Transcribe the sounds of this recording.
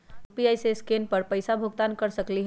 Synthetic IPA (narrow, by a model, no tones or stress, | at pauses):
piajseskenpəɾpəjsabʱuɡ̚t̪ankəɾsəkliɦ